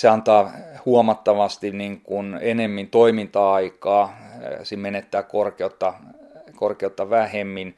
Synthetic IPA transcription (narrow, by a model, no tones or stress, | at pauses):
seɑnt̪ɑːhuomɑt̪ːɑʋɑst̪iniŋkunenemːint̪oimint̪ɑɑikɑːsimmenet̪ːæːkkorkeot̪ːɑkorkeot̪ːɑʋæhemːin